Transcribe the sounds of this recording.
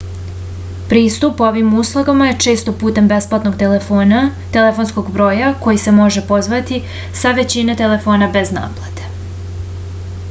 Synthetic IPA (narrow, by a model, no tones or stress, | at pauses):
pɾiːst̪upo̞ʋimuːslˠoɡamaje̞t͡ʂe̞ːst̪o̞puːt̪e̞mbe̞splˠat̪no̞ɡt̪nt̪e̞lefo̞nsko̞ɡbɾo̞ːjako̞jise̞mo̞ʒepo̞zʋat̪i | saʋe̞t͡ɕine̞t̪e̞le̞fo̞ːnabe̞zna̰ːplˠad̪e̥